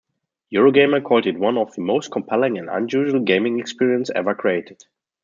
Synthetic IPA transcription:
juɹoʊɡẽɪ̃mə˞kʰɔlˠtɨd̚wʌ̃nɔvðəmoʊst̚kʰɔ̃mpʰɛlɪ̃ŋæ̃ndã̰njuʒəl̩ˠɡẽɪ̃mɪ̃ŋɛkspiɹiə̃nsɛ̰və˞kʰɹieɪtɪd̥

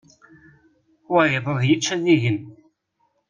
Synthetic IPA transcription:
waɾɪðˤəðˤjət͡ʃːæðiʝən

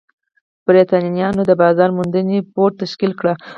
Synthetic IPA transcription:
b̥ɾet̪ɑnnijɑnod̪əbɑzɑɾmund̪ənepoɾt̪aʃkilkɽa

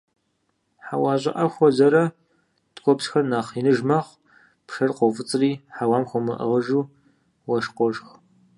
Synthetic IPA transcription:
ħawaːʑʷʼɐ̰ʔɐxʷɔzɐɾɐ | tkʷʰʼɔpsxɐrnaːχinɨʒmɐχʷ | pʂɐrqʷɔwfɨt͡sʼriːħawaːmxʷɔmɨ̰ʔə̰ʁəʒuː | wɐʃqʷɔʒx

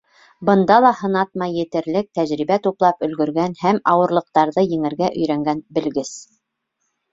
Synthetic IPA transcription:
bɤ̆nd̪ɑlˠɑhɤ̆nɑt̪̚mɑjɘ̆t̪ɘ̆ɾlɘk̚t̪æʑɾiβæt̪uplˠɑpɵ̆lɡɵ̆ɾɡænhæmɑwɤ̆ɾlˠɤ̆q̚t̪ɑɾðɤjɘ̆ŋɘ̆ɾɡæʔɵ̆jɾæŋɡænbɘ̆lɡɘs

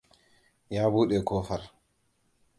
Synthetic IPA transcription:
jaːbuːɗɛkɔːfaɾ

